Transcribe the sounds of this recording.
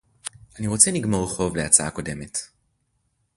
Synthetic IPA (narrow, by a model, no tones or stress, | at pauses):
ʔaniʁot͡seniɡmo̞ʁχo̞vleat͡saako̞de̞me̞t